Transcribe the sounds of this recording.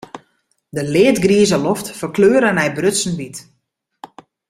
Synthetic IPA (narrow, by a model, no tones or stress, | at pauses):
dəlɪətɡriəzəlɔftfərkløːɾənɛjbrøtsən̩bit